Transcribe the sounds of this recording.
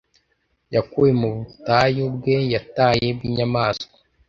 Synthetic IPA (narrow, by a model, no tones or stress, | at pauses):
jakujemuβutajubɡejataːje̞bɡiːɲamaːsko̥